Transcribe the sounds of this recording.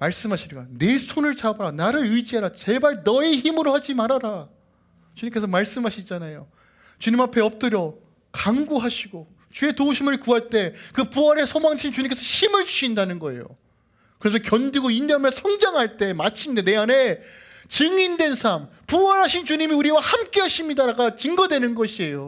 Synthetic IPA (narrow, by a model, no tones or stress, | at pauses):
maɭs͈ɯmɦaɕʰikane̞sʰonɯɭt͡ɕabʌɾanaɾɯɾid͡ʑiaɾat͡ɕe̞baɭnʌeçimɯɾohad͡ʑimaɾaɾa | t͡ɕuɲimk̬͈e̞sʰʌmaɭs͈ɯmɦaɕʰid͡ʑanajo | t͡ɕuɲimapʰe̞ʌp̚t͈ɯɾjʌ | kaŋɡoɦaɕʰiɡo | t͡ɕue̞touɕʰimɯɭkuɦaɭt͈e̞kɯpuaɾesʰomaŋʰint͡ɕuɲimk͈esʰʌɕʰimɯɭt͡ɕu̥ɕʰindanɯnɡʌe̞̰jo̰ | kɯɾe̞s̬ʰʌkjʌndiɡoinːamjʌnsʰʌŋd͡ʑaŋɦaɭt͈e̞mat͡ɕʰimɲidane̞ane̞ | t͡ɕɯŋindwe̞nsʰam | puwʌɾɦaɕʰint͡ɕuɲimiuɾiwahamk͈e̞ɦaɕʰimɲidaɾaɡat͡ɕɯŋɡʌdwe̞nɯnɡʌɕʰie̞jo